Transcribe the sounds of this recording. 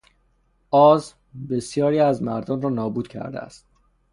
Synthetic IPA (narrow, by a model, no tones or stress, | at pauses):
ɒːz | besjɒːɾiːæzmæɾd̪ɒːnrɒːnɒːbuːd̪̥cʰæ̰ɾd̪ḛæ̰st̪̚